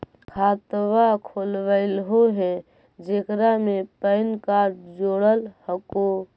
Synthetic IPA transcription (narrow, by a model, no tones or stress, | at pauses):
kʰat̪wakʰolʋəɪlɦoɦɛ | d͡ʒekɾamepəɪnkaɾʈ̚d͡ʒoɽəlhəko